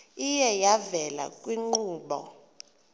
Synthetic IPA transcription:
ijɛjavɛla̰kʼwiŋ͡ǃuːɓɔ̰

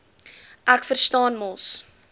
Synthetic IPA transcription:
ʔækfərstɑːnmɔs

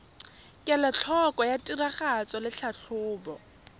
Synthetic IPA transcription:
kʼɛlɔt͡ɬʰɔkʼɔjatʼiraχat͡sɔlɪɬʰaɬʰʊːbɔ

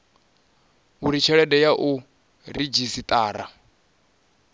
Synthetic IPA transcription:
uɾit͡ʃʰɛɺɛdɛjaʔu | ɾid͡ʒisit̪ʼaːɾa

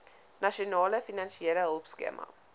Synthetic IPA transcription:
nɐʃionɑːləfinɐnʃieləɦəlˠpskḛmʔɐ̰

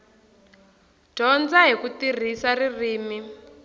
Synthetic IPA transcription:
d̥ʱɔnd͡zaɦikutir̤isaririːmi

